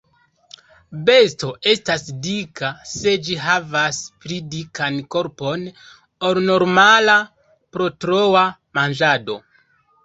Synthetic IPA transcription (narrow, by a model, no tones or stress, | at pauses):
be̞sto̞ʔe̞stasdikase̞d͡ʒiɦavaspɾidikʰanko̞ɾpo̞n | olno̞ɾmala | pɾo̞tɾowamand͡ʒado̞̰